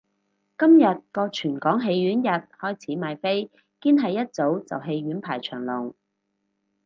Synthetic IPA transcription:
kɐ˥mjɐ˨t̚kɔː˧t͡ʃʰyː˨˩nkɔː˨˥ŋɦe˧jɥyː˨˥njɐ˨t̚hɔː˥jt͡sʰiː˨˥maː˨jfe˥j | kiː˥nɦɐ˨jːɐ˥t̚t͡so˨˥wt͡sɐ̰˨wɦe˧jɥyː˨˥npʰaː˨˩jt͡ʃʰœ̰ː˨˩ŋlʊ˨˩ŋ

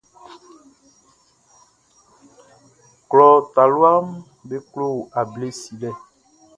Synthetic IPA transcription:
klɔ˨t̪a˨lo˦a˦m | be˦klo˦˨a˨ble˦si˨lɛ˦˨

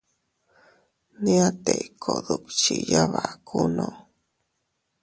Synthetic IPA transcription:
nĩ˦a˦t̪e˨ikʰo˨ðu˨kt͡ʃi˨ja˦βa˨kʰu˦nõ˨

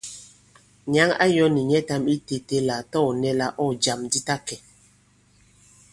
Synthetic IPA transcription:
ɲa˦ŋa̰˦jɔ˦ni˨ɲɛ˦ta˦mi˦te˨te˦la˨tɔ˦ɔ˨nɛ˦la˦ʔɔ˦˨d͡ʒa˨mdi˦ta˦kɛ˨

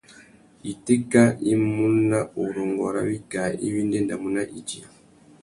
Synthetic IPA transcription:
i˨ti˦ka˦ʔi˦mu˦na˦u˨ɾɔ˨ŋɡɔ˨ɾa̰˦βi˦ka˨i˦βi˦nde˦nda˨mu˦na˦ʔi˨d͡ʒi˨a˨

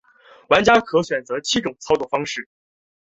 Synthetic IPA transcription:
wa˧˥nt͡ɕja˥kʰɤ˧˥ɕɥɛ˨˩nt͡sɤ˧˥t͡ɕʰi˥ʈ͡ʂʊ˨˩ŋt͡sʰɑ˥ʊt͡swɔ˥˩fɑ˥ŋʂɻ̩˥˩

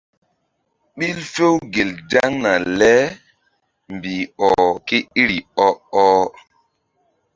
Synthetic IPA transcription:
ɓi˦lfe˦wɡe˨lda˦ŋna˨lɛ˦ | mbi˨ɔ˨ke˦i˦ɾi˨ɔ˦ɔ˦

